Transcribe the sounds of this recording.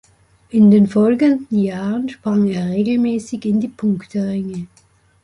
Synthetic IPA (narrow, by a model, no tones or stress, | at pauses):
ʔɪndeːnfɔlɡəndn̩jaːʁənʃpʁ̥aŋeːɐʁeːɡl̩mɛːsɪçɪndiːpʰʊŋktəʁɛŋə